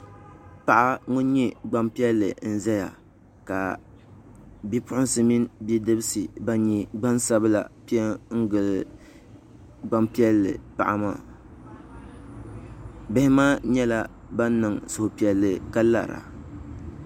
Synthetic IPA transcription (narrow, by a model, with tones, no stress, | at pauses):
pa˨ʔa˦ŋʊ˦n˦ɲɛ˦ɡ͡ba˦mpi˦ɛ˦lːɨ˨n̩˨zɛ˦ja̰˨ | ka˨ | bi˦pʊ˦ʔʊ˦nsɨ˨mi˦nbi˦dɨ˦bɨ˦sɨ˨ba˦ɲi˦ɡ͡ba˦nsa˦bɨ˦la̰˨pi˦ɛ˦ŋ̩˦ɡɨ˨lɨ˦ | ɡ͡ba˦mpi˦ɛ˦lːɨ̰˨pa̰˨ʔa˨ma̰ː˦˨ | bɪ˦hɪ˦maː˦ɲɛ˦la˦ | ba˦n˦nːɨ˨ŋsʊ˨hʊ˨pi˨ɛ˨lːɨ˨ka˦la̰˨ɾa̰˨